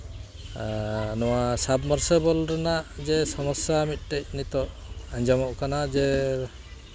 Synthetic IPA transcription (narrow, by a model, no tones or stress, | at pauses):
nɔwasabmɔɾsɔbɔlɾɛnaʔd͡ʒɛsɔmɔsjamit̪̚ˀʈɛc̚nit̪ɔʔ | aɲd͡ʒamɔʔkanad͡ʒɛ